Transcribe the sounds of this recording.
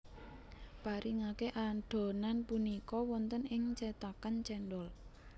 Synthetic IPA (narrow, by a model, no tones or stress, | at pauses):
paɾiŋakeʔaɖ̥o̤nanpunikɔwɔnt̪ənɪŋt͡ʃɛt̪akant͡ʃɛnɖɔl